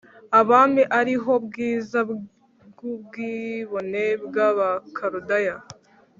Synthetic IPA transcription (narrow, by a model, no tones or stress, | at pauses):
aβaːmiʔaɾiɦo̞bɡiːza | ɡubɡiβo̞ne̞bɡaβakʰaɾudaja